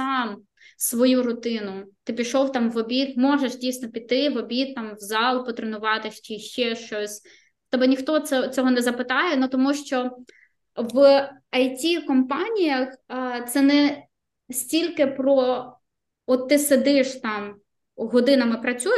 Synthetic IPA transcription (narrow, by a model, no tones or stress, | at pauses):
sɑm | sʋɔjuɾʊt̪ɪnʊt̪ɪpʲiʃɔwt̪ɑmʋɔbʲit̪mɔʒeʃdʲijsnɔpʲit̪ɪʋɔbʲit̪ːɑmwzɑlˠpɔt̪ɾenʊʋɑt̪ɪʃt͡ʃɪʃt͡ʃɛʃt͡ʃɔsʲ | t̪ɛbɛnʲixt̪ɔɛt͡sʲɔɦɔnɛzɐpɪt̪ɑjɛnut̪ɔmuʃt͡ʃɔ | ʋɐjtʲikɔmpɑnʲijɐxt̪sɛnɛ | sʲtʲilʲkɪpɾɔ | ɔt̪ːɪsed̪ɪʃt̪ɑm | ɦɔd̪ɪnɐmɪpɾɐt͡sʲuj